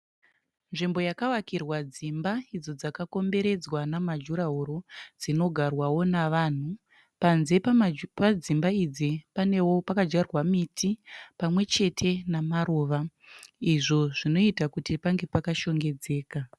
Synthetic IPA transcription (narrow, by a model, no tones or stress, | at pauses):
nʐimbo̞jakawakirwad͡zimbaid͡zo̞d͡zakako̞mbe̞ɾe̞d͡zwanamad͡ʒuɾaɦoɾod͡zino̞ɡʱarwawo̞naʋaːn̤u | panze̞pad͡zimbaid͡zipane̞wo̞pakad͡ʒarwamitʰipamwe̞t͡ʃe̞tʰe̞namaɾoːʋa | iʐo̞ʐ̥ino̞itakutipaŋɡe̞pakaʃo̞ŋɡe̞d͡ze̞ːka